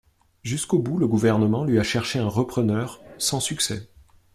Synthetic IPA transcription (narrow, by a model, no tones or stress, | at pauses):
ʒyskobuləɡuvɛʁnəmɑ̃lɥiaʃɛʁʃeɛ̃ʁəpχənœʁsɑ̃syksɛ